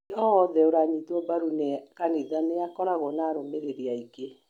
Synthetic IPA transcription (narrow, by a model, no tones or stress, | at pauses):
ɔɔðɛoɾaɲitwɔbaɾunekaniðaneakɔɾaɣɔnaːɾomeɾeɾiaike